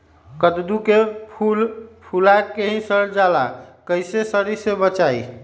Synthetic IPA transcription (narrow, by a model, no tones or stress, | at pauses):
kəd̪d̪ukepulpʰulakeɦĩsəɾd͡ʒalakəɪsesəɾisebət͡ʃai